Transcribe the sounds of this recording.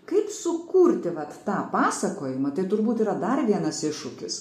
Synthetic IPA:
kɐɪpsʊkuːɾʲt̪ʲɪʋɐt̪ːɑːpɑːsɐkoːjɪmɐt̪ɐɪt̪ʊɾbuːt̪iːɾɐd̪ɐrʋʲiɛnɐsɪʃʊkʲɪs

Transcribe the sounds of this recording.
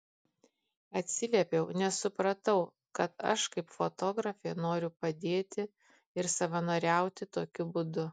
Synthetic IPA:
ɐt̪ʲsʲɪlʲɛpʲɛʊnʲɛsʊpɾɐt̪ɐʊ | kɐt̪ɐ̰ʃkɐɪpfot̪oːɡɾɐfʲeːnoːɾʲʊpɐd̪ʲeːt̪ʲɪ | ɪɾsɐʋɐnoːɾʲæˑʊt̪ʲɪt̪oːkʲʊbʊd̪ʊ

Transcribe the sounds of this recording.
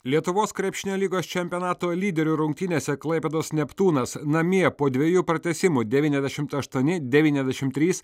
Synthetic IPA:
lʲiɛt̪ʊʋoːskɾʲɛpʃʲɪnʲoːlʲiːɡoːst͡ʃʲɛmʲpʲiɔnɑːt̪oːlʲiːd̪ʲɛɾʲuːɾʊŋkt̪ʲɪnʲeːsʲɛklˠɐɪpʲɛːd̪oːsnʲɛpt̪uːnɐsnɐmʲiɛpoːd̪ʲʋʲɛjuːpɾɐt̪ʲɛsʲɪmuːd̪ʲɛʋʲiːnɛzʲd̪ʲɛʃʲɪmt̪ɐʃt̪uɔnʲɪd̪ʲɛʋʲiːnʲɛzʲd̪ʲɛʃʲɪmt̪ʲːɾʲiːs

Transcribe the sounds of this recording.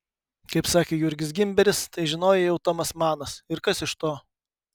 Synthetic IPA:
kɐɪpsɑːkʲeːjʊɾʲɡʲɪs̬ɡʲɪmʲbʲɛɾʲɪst̪ɐɪʒʲɪnoːjɛjɛʊt̪oːmɐsmɑːnɐsɪɾkɐsɪʃt̪oː

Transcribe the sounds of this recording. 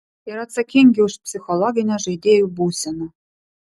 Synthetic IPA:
eɾɑt̪sɑkʲeŋɡʲeuʂpsʲixolˠoɡʲinʲɑʐɘ̆id̪ʲejubusʲɤ̆nɤ̆

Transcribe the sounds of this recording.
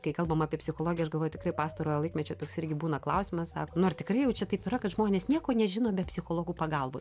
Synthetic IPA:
kɐɪkɐlˠbɐmɑːpʲiɛpʲsʲɪxolˠoːɡʲjɛɐʃɡɐlˠʋoːjot̪ʲɪkrɐɪpɑːst̪ɐɾoːjolˠɐɪkmʲɛt͡ʃʲoːt̪oːksɪrʲɡʲɪbuːnɐklˠɐʊsʲɪmɐssɑ̰ːkoːnʊɐrtʲɪkɾɐɪjɛʊt͡ʃʲɛt̪ɐɪpɪɾɐkɐt̪ʒmoːnʲeːsnʲiɛkoːnʲɛʒʲɪnoːbʲɛpʲsʲɪxoːlˠoːɡuːpɐɡɐlˠboːs

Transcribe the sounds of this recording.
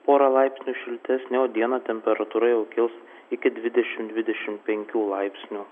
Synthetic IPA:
poːɾɐlˠɐɪpʲsʲnʲuːʃʲɪlʲt̪ʲɛsnʲɛoːd̪ʲiɛnɐt̪ʲɛmʲpʲɛɾɐt̪uːɾɐjɛʊkʲɪlˠs | ɪkʲɪd̪ʲʋʲɪd̪ʲɛʃʲɪmd̪ʲʋʲɪd̪ʲɛʃʲɪmʲpʲɛŋʲkʲuːlˠɐɪpʲsʲnʲuː

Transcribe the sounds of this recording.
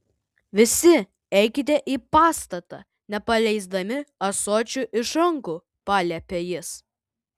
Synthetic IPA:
ʋʲɪsʲɪ | ɛɪkʲɪt̪ʲeʔiːpɑːst̪ɐt̪ɐ̰ | nʲɛpɐlʲɛɪzd̪ɐmʲɪɐsoːt͡ʃʲuʔɪʃɾɐŋku | pɑːlʲɛpʲejɪs

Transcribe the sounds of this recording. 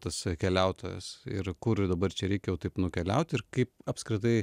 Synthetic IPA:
t̪ɐskʲɛlʲæʊt̪oːjɛ̰sɪ̰ɾkʊɾd̪ɐbɐrt͡ʃʲɛɾʲɛɪkʲɛjɛʊt̪ɐɪpnʊkʲɛlʲɛ̰ʊt̪ʲɪɾkɐɪpɐpʲskɾʲɪt̪̬ɐɪ

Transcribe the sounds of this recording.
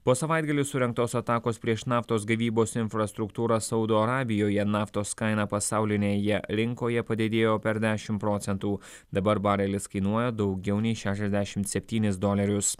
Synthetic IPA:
poːsɐʋɐˑɪd̪ɡɐlʲɪsʊɾʲɛŋk̚t̪oːsɐt̪ɑːkoːspʲɾʲiɛʃnɑːft̪oːs̬ɡɐʋʲiːboːsɪnʲfɾɐst̪ɾʊkt̪uːɾɑsɐʊd̪oːɐɾɑːbʲɪjoːjɛnɑːft̪oːskɐɪnɑpɐsɑˑʊlʲɪnʲeːjɛɾʲɪŋkoːjɛpɐd̪ʲed̪ʲeːjoːpʲɛɾd̪ʲæːʃʲɪmpɾoːt̪sʲɛnt̪uː | d̪ɐbɐɾbɑːɾʲɛlʲɪskɐɪnuɔjoːd̪ɒʊɡʲɛʊnʲɛɪʃʲæːʃʲɛzʲd̪ʲæʃʲɪmt̪sʲɛpʲt̪ʲiːnʲɪsd̪oːlʲɐɾʲʊs

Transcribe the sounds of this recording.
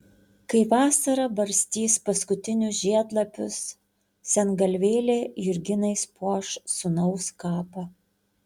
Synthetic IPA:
kɐɪʋɑːsɐɾɐbɐɾʲsʲt̪ʲiːspɐskʊt̪ʲɪnʲʊsʒʲiɛd̪lˠɐpʲʊsːʲ | ɛnɡɐlʲʋʲeːlʲeːjʊɾʲɡʲɪnɐɪspuɔʃsʊnɐʊskɑːpɐ

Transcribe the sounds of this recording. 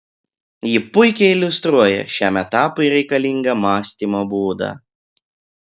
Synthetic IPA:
jɪpʊɪkʲɛɪɪlʲʊst̪ɾuɔjɛ̰ʃʲæːˑmʲɛt̪ɑːpʊɪɾʲɛɪkɐlʲiˑŋɡɐmɑːsʲt̪ʲiːmoːbuːd̪ɑ̰ː

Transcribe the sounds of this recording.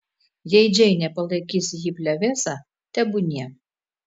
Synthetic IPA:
jɛɪd͡ʒʲɛɪnʲɛpɐlˠɐɪkʲiːsʲɪjiːpʲlʲɛʋʲeːsɑ | t̪ʲɛbʊnʲiɛ

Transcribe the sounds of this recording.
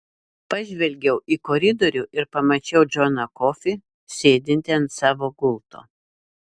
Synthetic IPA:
pɐʒʲʋʲɛlʲɡʲɛʊʔikoɾʲɪd̪oːɾʲʊʔɪɾpɐmɐt͡ʃʲɛʊd͡ʒʲɔnɐkoːfʲɪ | sʲeːd̪ʲɪnʲt̪ʲɛɐnt̪sɑːʋoːɡʊlˠt̪o̰ː

